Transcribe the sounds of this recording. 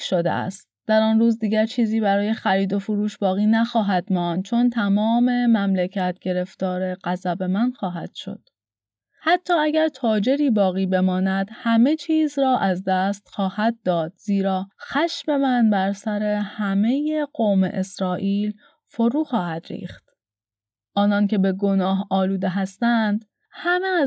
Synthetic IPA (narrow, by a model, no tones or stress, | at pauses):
ʃod̪ḛæ̰st̪̚d̪̥æɾɒːnruːzd̪iːɟæɾt͡ʃʰiːziːbæɾɒːje̞xæɾiːd̪o̞foɾuːʃbɒːɣiːnæxɒːɦæd̪̥mɒːnd̪̥̚t͡ʃʰo̞nt̪ʰæmɒːme̞mæmlecʰæt̪̚ʰɟ̥e̞ɾe̞ft̪ɒːɾe̞ɢæzæbe̞mænxɒːɦæ̰d̪̥ʃo̰d̪̥ | hæt̪ʰːɒːæɡæɾt̪ʰɒːd͡ʒe̞ɾiːbɒːɣiːbe̞mɒːnæd̪̥hæme̞t͡ʃʰiːzɾɒːʔæzd̪æst̪xɒːhæd̪̚ːɒːd̪̥ziːɾɒːxæʃme̞mænbæɾsæɾe̞hæme̞je̞ɢoːmḛʔesɾɒːʔiːl | fo̞ɾuːxɒːhæd̪̥ɾḭːxt̪ | ʔɒːnɒnce̞be̞ɡo̞nɒːɦɒːluːd̪eɦæst̪ænd̪̥ | hæmez